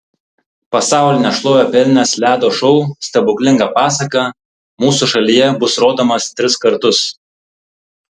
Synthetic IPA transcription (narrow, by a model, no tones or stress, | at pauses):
pɐsɑˑʊlʲɪnʲɛʃlˠoːjʲoːpʲɛlʲnʲɛslʲæːd̪oːʃɔʊsʲt̪ʲɐbʊkʲlʲɪŋɡɑpɑːsɐkɑ | muːsuˑʃɐlʲijɛbʊsɾoːd̪oːmɐst̪ʲɾʲɪskɐɾt̪ʊs